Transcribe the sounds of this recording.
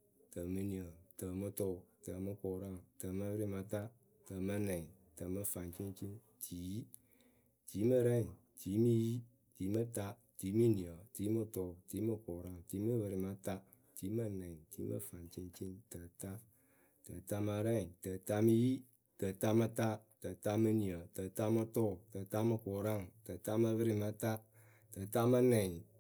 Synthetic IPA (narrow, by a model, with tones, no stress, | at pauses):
tə˨mɨ˧ni˨ə˨tə˨mə˧to˦˨tə˨mə˧ko˨ɾa˦ŋtə˨mə˧bə˦ɾi˧ma˧ta˦ | tə˨mə˧nɛ˨ | tə˨mə˧fa˨nt͡ʃi˦n˦t͡ʃi˦n | tʰi˨˦ji˦ | ti˨˦mə˧ɾɛ˦˨ | ti˨˦mi˦ji˦ | ti˨˦mə˦ta˦ | ti˨˦mi˦ni˨ə˨ti˨˦mə˧to˨ti˨˦mə˦ko˨ɾa˦˨ŋ˨ti˨˦mə˦bə˧ɾi˧ma˧ta˦ | ti˨˦mə˦nɛ˨n˨tḭ˨˦mə̰˦fa˨nt͡ʃi˧nt͡ʃi˦ntə˨ta˦ | tə˨ta˧ma˧ɾɛ˦˨tə˨ta˧mə˧ji˦ | tə˨ta˧mə˧ta˦tə˨ta˧mə˧ni˨ə˨tə˨ta˦mə˧to˦˨tə˨ta˦mə˧kʊ˨ɾa˦˨ŋtə˨ta˦mə˧βɨ˦ɾi˧ma˧ta˦ | tə˨ta˦mə˦nɛ˨n˨